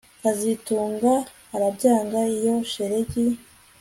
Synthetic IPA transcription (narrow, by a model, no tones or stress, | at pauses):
kazituːŋɡaː | ɾabɟaːŋɡaijo̞ʃe̞ɾe̞ɟi